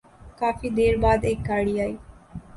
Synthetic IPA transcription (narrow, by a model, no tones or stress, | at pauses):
kaːfiːd̪eːɾbaːd̪eːkɡaːɽiaːiː